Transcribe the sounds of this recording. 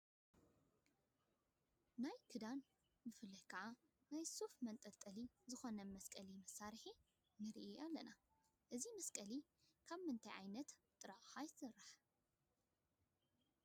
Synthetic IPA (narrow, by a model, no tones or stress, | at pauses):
najkʰɨd̪an | mɨfɨlːɐhjkʰɐʕa | najsofmɐnt̪ʼɐlt̪ʼɐlizɨxo̞nɐmɐskʼɐlimɐsaɾħi | nɨɾ̰ʔiʔalːɐ̰na | ʔɨzimɐskʼɐlikʰaβmɨnt̪ʰɐjʕajnɐt̪t̪ʼːɨɾaxajsɨrːaħ